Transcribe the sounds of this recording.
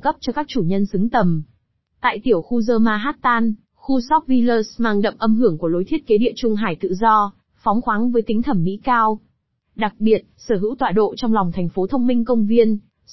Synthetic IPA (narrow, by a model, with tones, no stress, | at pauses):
kə˦˥p̚t͡ɕɔ˧kaː˦˥k̚t͡ɕu˧˩ɲə˧nsɨ˨˦ŋt̪ə˨˩m | t̪a̰ː˧˨jt̪i˧˩əwxu˧zəː˧maː˧ɦaː˦˥t̚t̪aː˧n | xu˧sɔ˦˥p̚vi˧ləː˧smaː˧˩ŋɗə̰˧˨wŋ͡mʔə˧mɦɨ˧˩əŋku˧˩əlo˨˦jt̪ʰi˦˥t̚ke˨˦ɗḭ˧˨ət͡ɕʊ˧ŋ͡mɦaː˧˩jt̪ɨ̰˧˨zɔ˧ | fɔ˨˦wŋ͡mxwaː˨˦ŋvəː˨˦jt̪ï˨˦ŋ̟t̪ʰə˧˩mːḭ˧˥kaː˧w | ɗa˨˩k̚ɓi˨˩ət̚səː˧˩ɦɨ̰˧˥wt̪waː˧˨ɗo̰˧˨t͡ɕɔ˧wŋ͡mlɔ˨˩wŋ͡mt̪ʰɛ˨˩jŋ̟fo˨˦t̪ʰə˧wŋ͡mmï˧ŋ̟kə˧wŋ͡mvi˧ən